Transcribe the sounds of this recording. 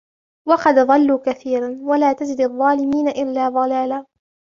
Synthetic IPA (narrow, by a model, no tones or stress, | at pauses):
wɑqɑd̪ðˤɑlːuːkaθiːɾanwalaːt̪ad͡ʒɪd̪ɑðˤːɑːlɪmiːnaʔɪlːaːðˤɑlaːlaː